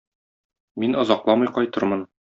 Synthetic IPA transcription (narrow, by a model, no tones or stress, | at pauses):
minɒ̆zɑqlˠɑmɤjqɒjt̪ɤ̆ɾmɤn